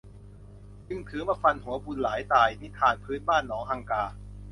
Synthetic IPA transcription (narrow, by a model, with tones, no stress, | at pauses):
t͡ɕɯ˧ŋt̪ʰɯː˩˦maː˧˩fa˧nhu˩˦ɐbu˧nlaː˩˦jt̪aː˧˩jt̪ʰi˦˥˩t̪ʰaː˧npʰɯː˦˥nbaː˥˩nːɔː˩˦ŋha˧ŋkaː˧